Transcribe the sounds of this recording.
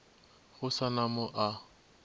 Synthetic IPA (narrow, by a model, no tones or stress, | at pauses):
ɣʊsanamʊʔa